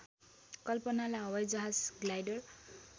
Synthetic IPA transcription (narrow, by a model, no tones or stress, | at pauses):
kʌlpʌnalaʌwʌjd͡zʌɦad͡zɡlajɖʌr